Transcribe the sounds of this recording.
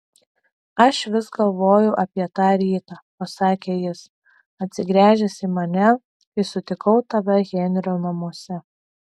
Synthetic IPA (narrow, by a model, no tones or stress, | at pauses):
ɐʃʋʲɪsɡɐlˠʋoːjʊʔɐpʲiɛt̪ɑːɾʲiːt̪ɑːpɐsɑːkʲeːjɪs | ɐt̪ʲsʲɪɡɾʲæːʒʲɛsʲɪmɐnʲɛ | ɪsʊt̪ʲɪkɐʊt̪ɐʋʲɛɣʲeːnʲɾʲonɐmuɔsʲɛ